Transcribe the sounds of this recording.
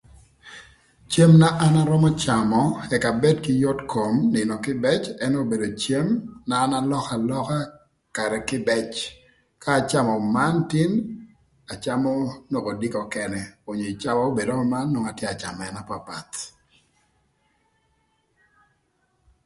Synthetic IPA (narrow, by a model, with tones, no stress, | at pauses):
t͡ʃe˦mna˦ʔa˦na˦ɾɔ˦mɔ˦t͡ʃa˨mɔ˦ɛ˨ka˨bɛ˦dkɪ˦jo˦tko˨mnɪ˨nɔ˨kɪ˦bɛ˦t͡ʃɛ˦no˦be˨do˨t͡ʃe˦mnaː˨˦na˦lɔ˦ka˨lɔ˦ka˦ | ka˨ɾɛ˨kɪ˦bɛ˦t͡ʃ | kaː˦˨t͡ʃa˦mɔ˨ma˦nti˦n | a˨t͡ʃa˦mɔ˦no˨ko˨di˦kɔ˨kɛ˨nɛ˦o˨ɲo˨i˨t͡ʃa˦mɔ˦o˦be˨do˦mɔ˦ma˦nːo˦ŋa˨tjɛ˦a˨t͡ʃa̰˨mɛ˨na˦pa˨pa̰˨t̪